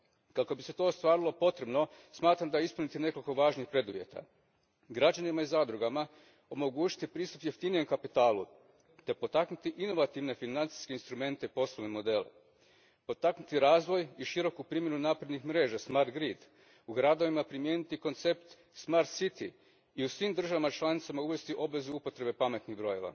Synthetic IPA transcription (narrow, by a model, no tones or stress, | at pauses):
kako̞bise̞t̪o̞ːst̪ʋaːɾilˠo̞po̞t̪ɾe̞bno̞smaːt̪ɾamd̪ajeispunit̪ine̞ko̞liko̞ʋaːʒnixpɾe̞d̪uʋje̞̰t̪a̰ | ɡɾad͡ʒanimaizaːd̪ɾuɡama | o̞mo̞ɡuːt͡ʃi̥t̪ipɾiːst̪u̥pjeft̪inije̞mkapit̪aːlṵ | t̪e̞po̞t̪aknut̪iʔino̞ʋat̪iʋne̞finant̪si̥skeinst̪ɾume̞nt̪e̞ipo̞slˠoʋnemo̞d̪e̞ːlḛ | po̞t̪aknut̪iɾaːzʋo̞jiʃiɾo̞kupɾimje̞nunaːpɾe̞d̪nixmɾe̞ːʒasmaɾt̪ɡɾid̪ | uɡɾad̪o̞ʋimapɾimjenit̪iko̞nt̪se̞pt̪ | smaɾt̪sit̪i | iusʋiːmd̪r̩ʒaʋamat͡ʃlˠanit̪samauʋe̞st̪iʔo̞bʋe̞zuupo̞t̪ɾe̞be̞pame̞t̪nibɾo̞je̞̰ʋa̰